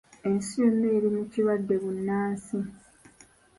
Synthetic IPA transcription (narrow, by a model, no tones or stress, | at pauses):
e̞nsembeːɾimuciβadːe̞βunːaːsi